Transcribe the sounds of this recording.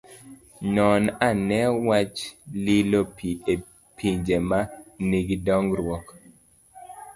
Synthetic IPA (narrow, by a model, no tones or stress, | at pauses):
ɲɔnanɛwat͡ʃlilopie | pʰiɲd͡ʒemaniɡidɔŋɡɾwɔk